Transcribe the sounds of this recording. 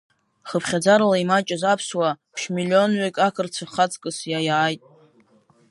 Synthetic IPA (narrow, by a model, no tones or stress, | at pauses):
χəpʰχʲad͡zaɾlaimat͡ʃʼazapʰswapʰʃmilʲio̞nɥekʲʼakʰɨrt͡sʷʰaχat͡sʼkʼɨsjajaːjtʼ